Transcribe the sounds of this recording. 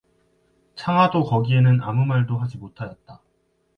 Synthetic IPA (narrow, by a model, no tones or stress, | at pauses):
t͡ɕʰaŋɦwadokʌɡie̞nɯnamumaɭdoɦad͡ʑimotʰajʌt̚t͈a